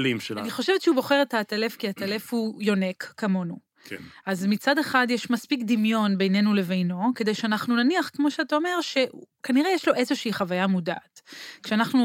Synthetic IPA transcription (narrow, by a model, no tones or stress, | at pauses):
limeaniχo̞ʃevetʃehubo̞χe̞ʁetatale̞fkiatale̞fhujo̞ne̞kːamo̞nu | ʔazmit͡sadeχadjeʃmaspikd̪imjo̞nbe̞jne̞nule̞vejno̞ke̞de̞jʃeanaχnunaniaχkmo̞ʃeataome̞ʁʃe̞kaniʁejeʃlo̞ʔe̞zoʃiiχavajamuda̰ʔːtkʃeanaχnu